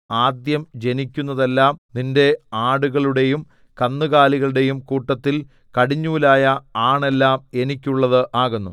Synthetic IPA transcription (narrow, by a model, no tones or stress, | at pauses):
aːd̪jɐmd͡ʑe̞nikʲːunːɐðe̞lːaːmninde̞aːɽuɣɐɭuɽe̞jum | kɐnːuɣaːliɣɐɭuɽe̞jumkuːʈːɐt̪ːil | kɐɽiɲːuːlaːjɐaːɳe̞lːaːme̞nikʲːuɭːɐðɨʔaːɣunːṵ